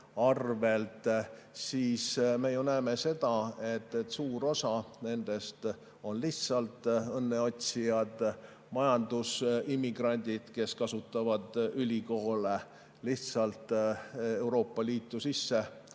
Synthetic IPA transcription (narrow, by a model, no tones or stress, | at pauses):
ɑrve̞lt̪siːsme̞junæeme̞se̞d̪̥ɑe̞t̪ˑːet̪ːˑsuːɾo̞sɑne̞nd̪̥e̞st̪ | o̞nliht̪sɑlt̪ˑɤnːe̞o̞t̪ʲsijɑd̪ | mɑjɑnd̪̥usimːiɡ̥rɑnʲd̪̥ʲid̪̥ke̞skɑsut̪ːˑɑvɑd̪̥ylʲiko̞ːle | liht̪sɑlt̪ˑe̞wɾo̞ːpːˑɑliːt̪ːˑusisːe